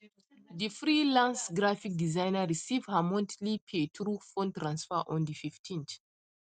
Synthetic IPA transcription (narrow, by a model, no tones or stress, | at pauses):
difɹilãnsɡɹafik̚dizãjnəɹisivhamɔ̃ntlipʰetʰɾufõntɾãnsfəʔɔ̃ndififtʰĩnt